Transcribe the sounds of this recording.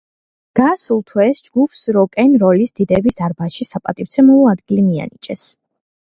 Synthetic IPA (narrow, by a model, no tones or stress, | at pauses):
ɡ̥asulˠt̪ʰwɛsd͡ʒɡupʰsɾɔkʼɛnɾɔlisd̪̥id̪ɛbisd̪aɾbaʃisapʼat̪ʼift̪sʰɛmuvɔad̪ɡilimia̰nit͡ʃʼɛs